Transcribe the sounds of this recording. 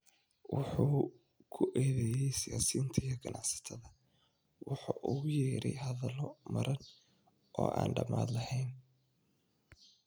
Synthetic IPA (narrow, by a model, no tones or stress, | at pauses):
wʔʊħuː | kʰʊʔɛːðɛjɛjsɪjaːsiːnt̪ʰɐjɔɡɐnʔɑʕsɐ̥t̪ʰɐðɐ | wʊħuːʔʊɣʊjɛːɾɛjɦɐðɐlɔmɐɾʔɐn | ʔɔ̰ːʔaːnɖɐmaːd̪lɐhɛjn